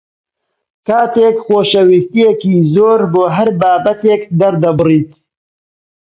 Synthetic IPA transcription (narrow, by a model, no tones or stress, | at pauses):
kaːt̪eːkxoːʃɐwist̪ijekiːzoːɾboːɦɐɾbaːbɐt̪eːkd̪ɐɾd̪ɐbɨriːt̪